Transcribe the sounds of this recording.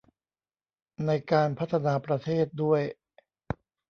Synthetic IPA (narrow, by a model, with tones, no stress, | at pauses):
na˧jkaː˧npʰa˦˥t̪ʰːa˧naː˧pɾa˧t̪ʰeː˥˩t̪̚du˥˩əj